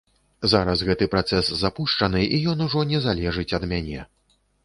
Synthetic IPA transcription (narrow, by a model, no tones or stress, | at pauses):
zaɾɐsɣɛt̪ɨpɾat̪sɛsːapuʂt͡ʂɐnɨʔijɔnuʐɔnʲɛzalʲɛʐɨt͡sʲɐd̪mʲanʲɛ